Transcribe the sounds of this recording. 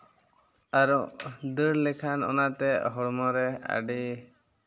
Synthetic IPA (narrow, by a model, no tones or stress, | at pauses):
aɾud̪əɽlɛkʰanɔ̰nat̪ɛɦɔɽmɔɾɛa̰ɖi